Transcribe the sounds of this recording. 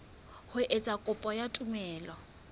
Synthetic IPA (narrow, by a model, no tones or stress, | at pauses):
hʊʔet͡sʼakʼʊpʼɔjatʼʊmɛːlɔ